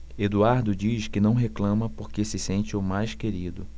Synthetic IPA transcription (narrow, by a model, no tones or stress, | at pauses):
ed̪uaɾd̪ʊd͡ʒiʃkɪnɐ̃w̃ɦeklɐ̃mɐpoɾkesɪsẽnt͡ʃɪʊmajskeɾid̪ʊ